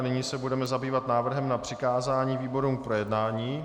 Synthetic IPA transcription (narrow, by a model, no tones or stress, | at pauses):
nɪɲiːsɛbudɛmɛzabiːvat̪naːvr̩ɦɛmnapr̝̥ɪkaːzaːɲiːviːbo̞ɾumk̚pɾo̞jɛdnaːɲiː